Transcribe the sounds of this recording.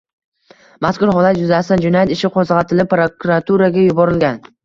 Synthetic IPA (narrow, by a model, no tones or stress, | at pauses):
maskʊɾɦɒlat̪jʊzast̪and͡ʒʊnajat̪ɪʃɪqʰɒzʁɑt̪ʰɪlɪpɾokuɾat̪ʰuɾaɡʲajʊbɒɾɪlɡʲan